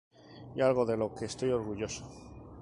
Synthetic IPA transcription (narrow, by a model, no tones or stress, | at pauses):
ialɣ̞o̞ðe̞lo̞keːst̪o̞jo̞ɾɣ̞uʝo̞so̥